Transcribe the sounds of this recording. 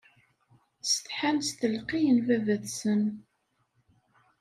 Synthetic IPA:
sə̥t̪ħanst̪əlqijənvævæðsən

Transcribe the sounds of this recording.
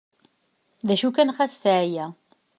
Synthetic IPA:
ðæʃukænχæsθæʕjæ

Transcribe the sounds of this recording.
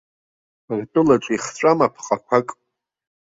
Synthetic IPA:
rtʼɨlaʈ͡ʂʷʼiχʈ͡ʂʷʼamapʰχʼakʷʰakʼ

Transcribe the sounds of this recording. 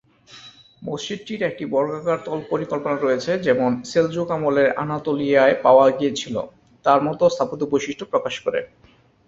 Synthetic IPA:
most͡ɕid̪̚ʈiɾɛk̚ʈibɔɾɡakaɾt̪ɔlpoɾikolponaɾɔjet͡ɕʰed͡ʑɛmonseld͡ʑokamoleɾa̰nat̪olijaepaoaɡiet͡ɕʰilo̰ | t̪aɾmɔt̪ost̪ʰapot̪obojʃiʃʈʰopɾokaʃkoɾḛ

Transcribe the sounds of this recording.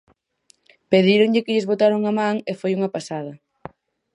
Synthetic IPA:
peðiɾoŋʎɪkɪʎɪzβot̪aɾoŋamãŋefojuŋɐpasaðɐ

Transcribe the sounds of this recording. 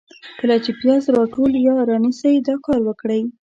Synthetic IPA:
kəlat͡ʃepjɑzɾɑʈoljɑɾɑnisajd̪ɑkɑɾwəkɽəj

